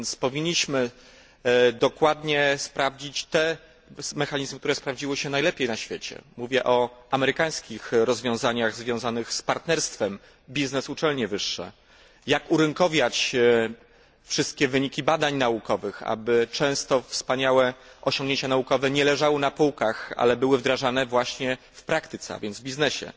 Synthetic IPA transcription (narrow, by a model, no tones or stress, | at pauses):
nt̪spɔvʲiɲːiɕmɘ | d̪ɔkwad̪ɲɛspɾavd͡ʑit͡ɕt̪ɛ | mɛxaɲizmɘkt̪uɾɛspɾavd͡ʑiwɘɕɛnajlɛpʲjejnaɕfʲjet͡ɕɛ̰muvʲjɛʔɔamɛɾɘkaj̃skʲixɾɔzvʲjɔ̃w̃zaɲaɣzvʲjɔ̃w̃zanɘxspaɾt̪nɛɾst̪fɛm | bʲiznɛsut͡ʂɛlɲɛvɘʂːɛ̰ | jakuɾɘŋkɔvʲjat͡ɕ | fʂɘst̪̚kʲɛvɘɲikʲibad̪aɲnaukɔvɘxa̰bɘt͡ʂɛ̃w̃st̪ɔfspaɲawɛʔɔɕɔŋɡɲeɲt͡ɕanaukɔvɛɲɛlɛʐawɘnapuwkaxa̰lɛbɘwɘvd̪ɾaʐanɛvwaɕɲɛ | fpɾakt̪ɘt̪sɛa̰vʲjɛnd̪vbʲiznɛɕɛ̰